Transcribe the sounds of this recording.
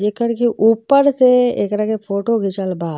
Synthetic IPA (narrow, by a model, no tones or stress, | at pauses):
d͡ʒekəɾkiʔuːpːəɾseḛːkɾakepʰoːʈoɡʱɪt͡ʃəlbaː